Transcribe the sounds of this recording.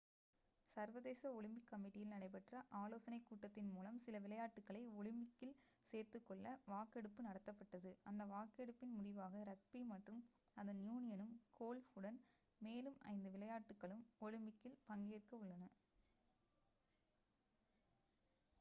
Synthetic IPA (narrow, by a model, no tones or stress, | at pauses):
sɐɾʋɐðeːsɐɔɻɯmbɪkːɐmɪʈːɪjɪlnɐɽɐɪp̬ɐʈrɐʔaːloːsɐnɐɪkːuːʈːɐt̪ːɪnmuːlɐmsɪlɐʋɪlɐjaːʈːɯkːɐɭɐɪɔɭɯmbɪkːɪl | seːrt̪ɯkːɔɭːɐʋaːkɛɽɯpːɯnɐɽɐt̪ːɐpːɐʈːɐðɯʔɐnd̪ɐʋaːkɛɽɯpːɪnmʊðɪʋaːɣɐɾɐk̚pimɐʈrɯmɐðɐnjuːnɪjɐnɯmkʰoːlʊɽɐn | meːlɯmɐ̰ɪnd̪ɯʋɪlɐjaːʈːɯkːɐɭɯmɔɻɪmbɪkːɪlpɐŋɡeːrkɐʊɭːɐnɐ